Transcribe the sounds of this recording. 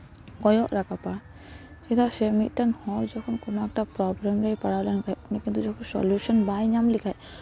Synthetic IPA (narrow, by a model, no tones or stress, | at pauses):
kɔjɔʔɹakapaɹ | sɛtʰasɛmit̚ˀtanhɔɹzɔkʰɔnkunak̚tapɹɔblɛmɹajpaɹalankajpunikint̪uzɔkʰɔnsɔ̰ljusɔnbajnamlikʰaj